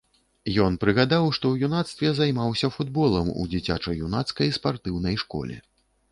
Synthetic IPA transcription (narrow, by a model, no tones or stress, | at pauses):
jɔnpɾɨɣad̪awʂt̪ɔwjunat̪st̪vʲɛzajmawsʲɐfud̪bɔlˠɐmṵd͡zʲit͡sʲa̰t͡ʂɐjːunat̪skɐjspart̪ɨwn̪ɐjʂkɔ̰lʲɛ̰